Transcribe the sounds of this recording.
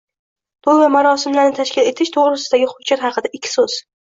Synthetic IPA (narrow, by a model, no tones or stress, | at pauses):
b̪̥ʊlˠvamaɾɒsɪmlaɾnɪt̪ʰaʃkʲɪle̞t̪ʰɪʃt̪ʰoʁɾɨsɪd̪aɡʲɪχʊd͡ʒaɾχɑqʰɨd̪aɪkʲʰːɪ̥soz̥